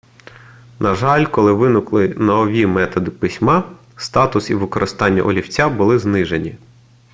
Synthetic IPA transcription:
nɐʒɑlʲkɔlˠɪʋɪnʊklˠɪnɐɔʋʲimɛt̪ɔd̪ɪpɪsʲmɑ | st̪ɑt̪ʊsiʋɪkɔɾʔɪst̪ɑnʲːɐ̰ʔɔlʲiwt͡sʲabʊlˠɪznɪʒenʲi

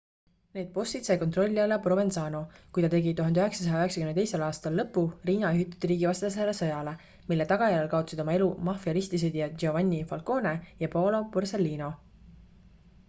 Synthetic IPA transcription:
ne̞ːd̪̚po̞st̪it̪se̞ːko̞nt̪ro̞lʲːiɑlepro̞be̞nsɑːno̞kujt̪ɑt̪e̞ɡit̪uɦɑnd̪eøɦe̞ksɑ̥s̬ɑjɑøɦe̞ksɑkymnejselɑːst̪ɑlːɤpːˑuriːnɑyɦit̪ːˑu̥t̪ːiɾiːɡivɑst̪esæɾesɤjɑle̞ | milːe̞t̪ɑɡ̥ɑjæɾelkɑot̪usid̪o̞mɑe̞lumɑfiɑlist̪is̬ed̪ijɑd͡ʒevɑnʲːifɑlko̞ːne̞jɑpolo̞purse̞lːiːno̞

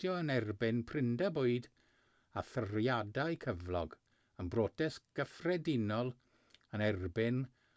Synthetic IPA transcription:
jɔənɛrbɪnpʰrɪndaboɨd | aθərjadaɨkʰəvlˠɔɡ | ənbroːtʰɛsɡ̥əfrɛdɪnɔlˠ | ənɛrbɪn

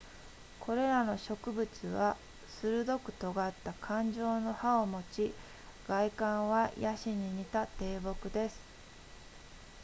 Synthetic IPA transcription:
kʰo̞ɾe̞ɾano̞ɕo̞kɯ̟bɯ̟t͡sɨβa | sɨɾɯ̟d̪o̞kɯ̟̥t̪o̞ɡat̪ːakʰãɲ̟d͡ʑo̞ːno̞haomo̞t͡ɕi | ɡ̥aikãɰ̃βajaɕiɲ̟iɲ̟it̪at̪e̞ːbo̞kɯ̟d̪e̞sɨ̥

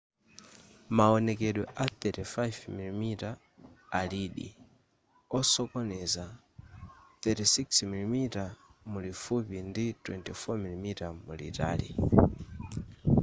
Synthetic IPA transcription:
maɔnɛkɛɗwɔʔaθɛtifajvmilimitaː | liɗḭ | ɔsɔkɔnɛza | θɛtisiksmilimitamulifupinditwɛntifɔmilimitamṵlḭta̰ːlḭ

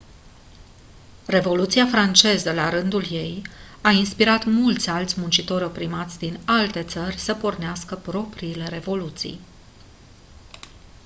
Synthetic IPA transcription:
re̞vo̞lut̪siafɾant͡ʃe̞zəlaɾɨnd̪ulje̞j | ainspiɾat̪mult̪sʲalt̪sʲmunt͡ʃit̪o̞ɾʲo̞pɾimat̪sʲd̪inalt̪e̞t̪sərʲsəporneaskəpɾo̞pɾiːle̞ɾe̞vo̞lut̪sḭj

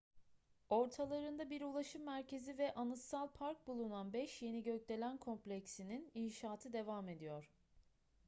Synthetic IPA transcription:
o̞ɾt̪ʰalˠaɾɯnd̪abiɾulˠaʃɯmːæɾcʰe̞zivɛʔanɯsalˠpʰaɾk̚bulˠunanbɛʃje̞niɟøclʲe̞lʲænkʰo̞mplʲecsinininʃaːt̪ʰɯd̪e̞vaːme̞d̪ijoɾ̥

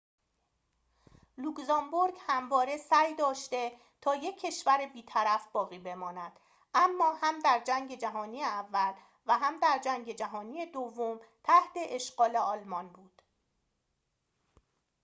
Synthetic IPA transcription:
lukzɒmboɾɡhæmvɒːɾe̞sæjd̪ɒːʃt̪e̞ | t̪ʰɒːje̞kʰːe̞ʃvæɾebiːt̪ʰæɾæfbɒːɣiːbe̞mɒːnæd̪̥ | ʔæmːɒːhæmd̪æɾd͡ʒæŋɟe̞d͡ʒæɦɒːniːjeævːæl | væɦæmd̪æɾd͡ʒæŋɟe̞d͡ʒæɦɒːniːjed̪ovːomt̪ʰæht̪ʰe̞ʔeʃɢ̥ɒːle̞ɒːlmɒnbuːd̪̥

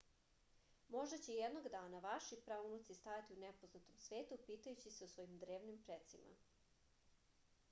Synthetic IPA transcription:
mo̞ʒd̪at͡ɕejed̪noɡd̪aːnaʋaʃipɾaunut̪sist̪ajat̪iunepo̞znat̪omsʋeːt̪upiːt̪ajut͡ɕiseusʋo̞jimd̪ɾe̞ːʋnimpɾet̪sima̰

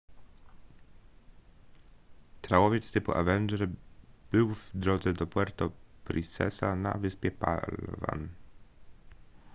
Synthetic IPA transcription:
t̪ɾawɔvʲjɛt̪st̪ɘpuʔa̰vɛnd͡ʒɛɾb̥ɘwvd̪ɾɔd̪zɛd̪ɔpwɛɾt̪ɔpɾʔisɛ̰sana̰vɘspʲjɛpa̰lva̰n

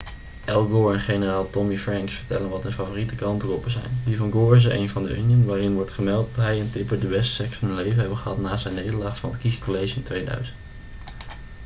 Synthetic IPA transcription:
ʔɛlˠɡoɛnχejnəraːlˠtɔmifrɛŋksfəɹtɛlənʋɑtənfavoːritəkrɑntərɔpəzɛ̰jndivɑnɡoːɹəs̬əʔejnvɑndə̰ʔyniənʋaːrɪnʋɔɹtχəmɛlˠtdɑtɦɛjəntɪpəɹdəʋɛstsɛksɑnɦənlejvənɦɛbənχəɦɑtnaːzɛjnːejdəɹlaːχfɑnətkiskolejʒɪntʋejdœ̰ɥzənt

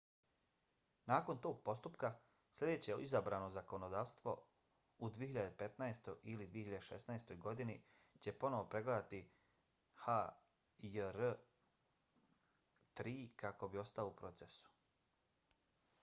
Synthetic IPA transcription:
naːko̞nt̪o̞ːɡ̚po̞st̪upka | slʲʎe̞d̪e̞ːt͡ɕeizabɾaːno̞zako̞nod̪aːʋst̪ʋo̞̰ | ud̪vijeçiʎad̪epe̞t̪naest̪ojʔilid̪ʋiehiʎad̪eʃe̞̰snaest̪o̞jɡo̞d̪ini | t͡ɕe̞po̞no̞ʋo̞pɾe̞ɡled̪at̪i | ha | əɾ | t̪ɾiːkako̞bio̞st̪aloupɾo̞t̪sesu̥

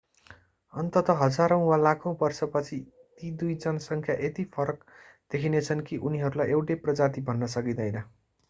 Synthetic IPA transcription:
ʌnt̪ʌt̪ʌɦʌd͡zaɾʌ̃w̃walakʰõbʌrsʌpʌt͡sʰi | t̪id̪ujd͡zʌnsʌŋkʰjaʔet̪ipʰʌɾʌk | d̪̥ekʰinet͡sʰʌnkiʔuniɦʌɾulajʔewʈeprʌd͡zat̪ibʱʌnːʌsʌkid̪ʌjnʌ

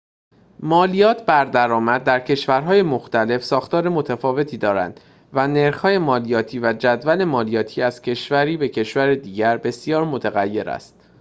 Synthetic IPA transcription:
mɒːlijɒːt̪ʰbæɾd̪æɾɒːmæd̪̚ːæɾcʰe̞ʃvæɾɦɒːje̞moxt̪æle̞fsɒːxt̪ɒːɾemot̪ʰæfɒːve̞t̪ʰiːd̪ɒːɾæ̰nd̪̥ | væne̞ɾxhɒːje̞mɒːlijɒːt̪ʰiːvæd͡ʒæd̪væle̞mɒːlijɒːt̪ʰiːæz̥cʰe̞ʃvæɾiːbe̞cʰe̞ʃvæɾed̪iːɟæɾbe̞sijɒːɾmot̪ʰæɣæjːe̞ɾæ̰st̪̚

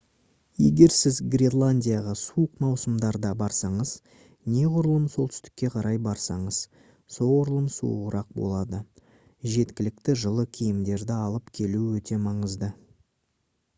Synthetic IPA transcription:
je̞̰ɡʲe̞ɾsɪzɡrʲelˠanʲdʲijaʁɑsuəqmɑwsəmd̪ɑɾd̪ɑbɑɾsɑɴəz̥ | ne̞qʰʊɾəlˠəmso̞lˠt̪ʏ̥st̪ɪ̥kʲːe̞qʰɑɾʔɑjbɑɾsɑɴəz̥ | soʁʊɾəlˠəmsṵə̰qəɾɑq̚bo̞̰lˠɑd̪ə | ʒe̞t̪kʲɪlɪk̚t̪ɪʒəlˠəkʲʰijɪmd̪e̞ɾd̪ɪɑlˠəpkʲʰe̞luwɵt̪e̞mɑɴəzd̪ə

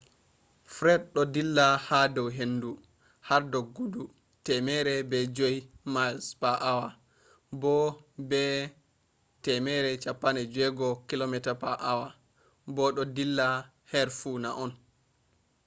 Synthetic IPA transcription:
fɾɛd̚ɗɔdilːahadɔwɦenːdu | haɾdɔɡːudu | tɛmɛɾɛbɛd͡ʒojmalspaʔawa | bɔbɛ | tɛmɛɾɛt͡ʃapːanɛd͡ʒɛɡɔkilomɛtapaʔawa | bɔɗɔdilːa | hɛɾfunaʔɔn

